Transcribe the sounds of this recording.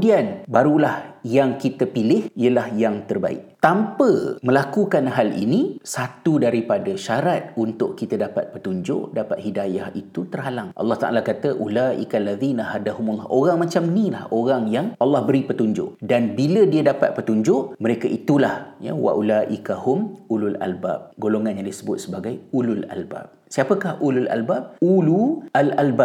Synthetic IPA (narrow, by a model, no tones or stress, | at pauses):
dianbaɾulahjaŋkit̪əpilɪhiəlahjaŋt̪ərba̰ɪ̰k̚t̪ampəmə̃lakukanɦalḭnĩsat̪udaɾipadəʃaɾat̪̚unt̪ʊʔkit̪ədapa̰t̪̚pət̪uɲd͡ʒʊ̰ʔdapat̪̚hidajahit̪ut̪ərɦalaŋʔɑ̰lːɑht̪aʔa̰lakat̪əʔulaʔḭkalːaðinaɦadahumulːɑʔoɾaŋmãt͡ʃamnĩlahoɾaŋjaŋʔɑlːɑhbəɾipət̪uɲd͡ʒʊ̰ʔdanbilədiədapat̪̚pət̪uɲd͡ʒʊʔməɾekaʔit̪ulahja̰wa̰ʔulaʔikahʊmulula̰lba̰p̚ɡoloŋanjaŋdisəbʊt̪̚səbaɡajulula̰lba̰p̚siapəkahʔululʔa̰lbap̚ulualalba